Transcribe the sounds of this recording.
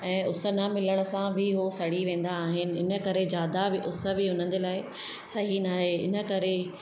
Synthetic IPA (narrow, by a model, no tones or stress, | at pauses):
ɛ̃ːʊsə̆namɪləɽ̃əsãbʱɪɦosɐɽ̤iʋẽːn̆d̪aːɦɪnɪ̆ɪnə̆kɐɾed͡ʑjaːd̪abɪʔʊsə̆bʱɪʊn̤ə̃n̆d͡ʑelaːɪ | sɐɦinaːɦeɪ̰nə̆kɐɾe